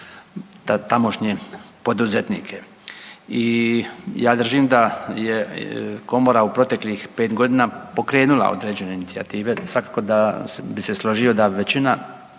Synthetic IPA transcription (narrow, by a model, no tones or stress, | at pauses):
t̪amo̞ʃɲepo̞d̪uzet̪nḭkʰe | i | jaːd̪r̩ʒimd̪ajeko̞mo̞ɾaupɾo̞t̪e̞klixpe̞ːt̪ɡo̞d̪iːnapo̞kɾe̞ːnula̰o̞̰d̪ɾe̞ːd͡ʑe̞ne̞init̪sia̰t̪iːʋe̞sʋakako̞d̪abise̞slˠoʒio̞d̪aʋe̞t͡ɕina